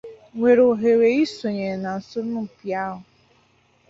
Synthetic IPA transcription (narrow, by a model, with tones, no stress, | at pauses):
ŋʷe˨ɾo˨ɦe˨ɾe˨i˦so˨ɲe˨na˨n̩˨sʊ˦nʊ˦˨pja˦ɦʊ˨